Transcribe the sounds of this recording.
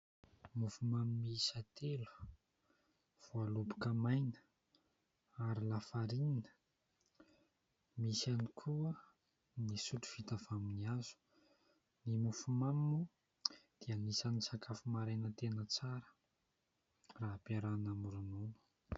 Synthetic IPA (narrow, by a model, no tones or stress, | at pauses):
mufumamimiisat̪elu̥ | v̥ualubukəmajnə̥ | aɾilafaɾininə̥ | misanikʰuə | nisuʈ͡ʂu̥v̥it̪avaminiazu̥ | nimufumamːu | d̪̥iəmisanisakʰafumaɾajnət̪enət͡saɾə̥ | raɦpaɾanamuɾununu̥